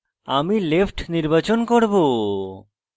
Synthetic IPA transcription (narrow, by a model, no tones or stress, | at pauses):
amilepʰʈniɾbat͡ɕonkoɾbo